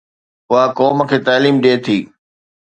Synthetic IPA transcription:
ʊakɔːməkʰeːt̪aːliːmɗeːt̪ʰiː

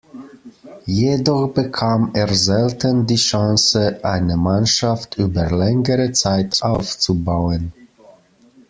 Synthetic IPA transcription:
jedɔχb̥əkʰaːmeːɐzɛltʰəndiːʃãsəʔaɪnəmanʃaftʔyːbɐlɛŋəʁət͡saɪtʔaʊft͡subaʊən

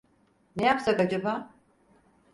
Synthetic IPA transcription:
nejapsakad͡ʒaba

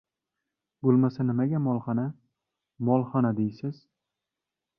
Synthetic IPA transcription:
bolˠmasanɪmaɡʲamɒlˠχɑna | mɒlˠχanad̪ejsɪz̥

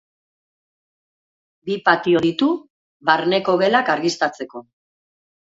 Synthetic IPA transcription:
bipat̪io̞ðit̪u | βaɾne̞ko̞ɣe̞lakaɾɣist̪at͡se̞ko̞

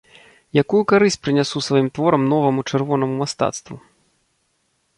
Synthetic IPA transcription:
jakujukaɾɨsʲt͡sʲpɾɨnʲasusvajimt̪vɔɾɐmnɔvɐmut͡ʂɛrvɔnɐmumast̪a̰t̪st̪vu

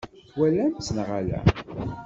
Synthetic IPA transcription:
wælːænt͡sːənʁalæ̰

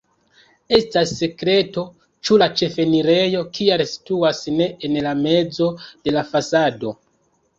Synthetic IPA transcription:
e̞stasːe̞kɾe̞to̞ | t͡ʃulat͡ʃe̞fe̞niɾe̞jo̞kʰialsi̥tuasne̞enlame̞d͡zo̞d̥e̞lafasado̞

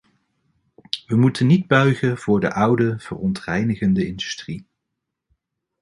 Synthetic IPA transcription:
ʋəmutənːid̚bœɥχənv̥ʊːɹdə̰ʔʌwdəv̥ərɔntrɛjnəχəndəɪndystri

